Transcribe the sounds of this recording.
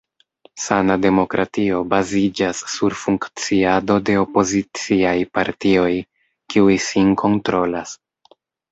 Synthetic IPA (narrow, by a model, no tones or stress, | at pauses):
sanade̞mo̞kɾʔatio̞bazid͡ʒasːuɾfuŋkt͡siado̞de̞o̞po̞zit͡siajpaɾtio̞j | kiujsinkʰo̞ntɾo̞las